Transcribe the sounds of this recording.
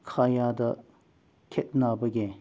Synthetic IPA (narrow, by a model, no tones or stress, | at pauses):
kʰajadɐ | kʰet̚nabɐɡe